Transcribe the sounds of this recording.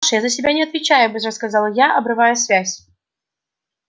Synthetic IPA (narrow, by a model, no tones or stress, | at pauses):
ʂjazəsʲɪbʲanʲɪɐt̪vʲɪt͡ɕæjʊbɨsʲrəskɐzɑlˠjaʔɐbɾɨvajʊsʲvʲæsʲ